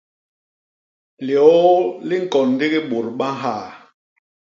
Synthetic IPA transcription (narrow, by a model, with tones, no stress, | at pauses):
ljɔ˨˦li˦ŋ̩˨kɔ˨n˦de˦ɣi˦ɓo˨ɾɓa˦ɦaː˦˨